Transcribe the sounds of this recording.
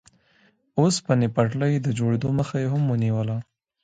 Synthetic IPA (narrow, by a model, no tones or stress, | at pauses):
ospənɪpaʈləjd̪əd͡ʒoɽed̪oməxajeɦamwəniwəla